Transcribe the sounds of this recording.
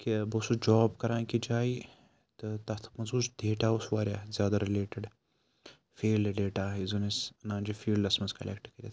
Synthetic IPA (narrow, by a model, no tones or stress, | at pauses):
kibosud͡ʒɔːbkɐɾãːkid͡ʒaːi | t̪ɨt̪ɐt̪ʰmɐzuːsd̪ʱeːʈaːusʋaːɾʲjaːzʲjaːd̪ɐɾileːʈeɖ | fiːlɖɐɖeːʈaːɦizonisɐnaːnd͡ʒifiːlɖɐsmɐnskɐlḛkʈkɐɾḭt̪